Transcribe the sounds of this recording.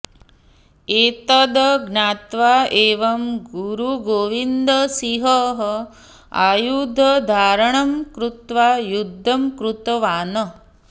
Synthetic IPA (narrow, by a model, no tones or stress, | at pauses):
eːt̪ɐd̪ɡnaːt̪ʋaːeːʋɐmɡuɾuɡoːʋind̪ɐsiɦɐɦ | a̰ːjud̪ʱɐd̪ʱaːɾɐɳɐmkɾut̪ʋaːjud̪ʱːɐmkɾut̪ɐʋaːnɐ